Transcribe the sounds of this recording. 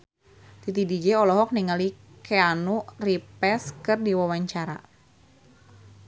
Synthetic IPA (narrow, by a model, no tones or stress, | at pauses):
t̪it̪idid͡ʒɛɔlɔɦɔk̚niŋali | keanuripɛskɨrdiwawaɲt͡ʃaɾa̰